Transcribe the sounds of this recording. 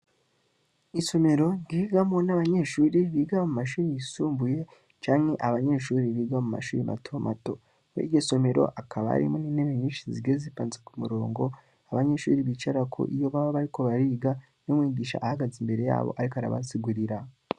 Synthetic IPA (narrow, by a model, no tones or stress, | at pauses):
iso̞me̞ɾo̞ŋɡiɡamonaβaɲe̞ʃuːɾiβiːɡamumaʃ̬uːɾijisuːmbuje̞ | t͡ʃaːŋhe̞ʔaβaɲe̞ʃuːɾiβiːɡamuma̰ʃuːɾimʔa̰tʰo̞mʔa̰to̞ | ḭɟoso̞me̞ɾo̞̰ʔakʰaβa̰a̰ɾḭmoniːnemeɲiːnʃiziɡezipaːnzekumuɾo̞̰ːŋɡo̞ | aβaɲe̞ʃṵːɾiβit͡ʃaɾakʰo̰ʔijo̞βaβaβaɾiko̞βaɾiːɡa | nomwŋiːɟiːʃa̰ʔːhaɡazimbe̞ɾe̞ja̰ːβo̰ʔaɾikoaɾa̰βa̰siɡuɾiɾa